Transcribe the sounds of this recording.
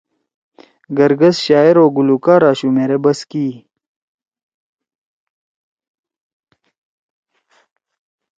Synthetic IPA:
ɡɐɾɡɐsɕaːeɾoːɡulukaːɾaːɕumeɾebɐskiː

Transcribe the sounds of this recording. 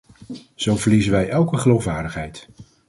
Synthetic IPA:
z̥owvəɹlizəʋɛjʔɛlˠkəχəlowfʋaːɹdəχɦɛjt

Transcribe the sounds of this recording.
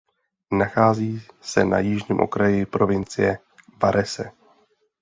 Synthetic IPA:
naxaːziːsɛna̰jɪʒɲiːmʔo̞̰kɾajɪpɾo̞vɪnt͡sɪjɛ | vaɾʔɛsɛ̰

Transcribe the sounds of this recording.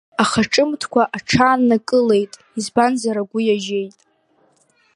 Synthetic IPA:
aχaʈ͡ʂʼɨmtʰkʷʰaʔaʈ͡ʂʰaːnːakʼɨle̞jtʼ | izbanzaɾaɡʷʊjaʒe̞jtʼ

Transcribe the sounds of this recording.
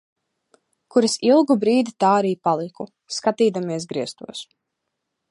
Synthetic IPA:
kuɾasilˠɡubɾiːd̪it̪aːɾiːpalˠiku | skat̪iːd̪amiɛsɡɾiɛst̪uɔs

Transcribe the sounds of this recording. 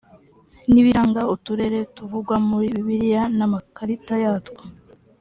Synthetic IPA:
niβiɾaŋɡautuɾe̞ɾe̞tuvuɡwamuɾiβiβiɾijanamakaɾitajaːtkḁ

